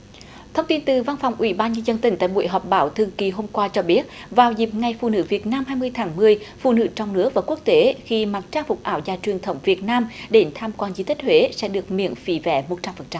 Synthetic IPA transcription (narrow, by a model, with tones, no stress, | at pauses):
t̪ʰə˧wŋ͡mt̪i˧nt̪ɨ˨˩va˧nfɔ˨˩wŋ͡mʔwḭ˧˩˦ɓaː˧nɲə˧nzə˧nt̪ï˧˩ŋ̟t̪a̰ː˧˨jɓṵ˧˨əjɦɔ˨˩p̚ɓaː˨˦wt̪ʰɨ˧əŋki˧˩ɦo˧mkwaː˧t͡ɕɔ˧ɓi˦˥ət̚vaː˨˩wzi˨˩p̚ŋa˨˩jfṵ˧˨nɨ̰˧˥vi˨˩ət̚naː˧mɦaː˧jmɨ˧əjt̪ʰaː˨˦ŋmɨ˧əjfṵ˧˨nɨ̰˧˥t͡ɕɔ˧wŋ͡mnɨ˦˥ək̚vaː˨˩ku˦˥ək̚t̪e˨˦xi˧ma˨˩t̚t͡ɕaː˧˥fʊ˨˩k͡p̚ʔaː˧˩wzaː˧˩t͡ɕwi˨˩ənt̪ʰə˧˩wŋ͡mvi˨˩ət̚naː˧mɗe˧˩nt̪ʰaː˧mkwaː˧nzi˨˦t̪i˦˥k̟̚hwe˨˦sɛ̰˧˥ɗɨ˨˩ək̚mḭ˧˨ənfḭ˧˦vɛ̰˧˩˦mo˨˩t̚t͡ɕa˧mfə˨˩nt͡ɕa˧m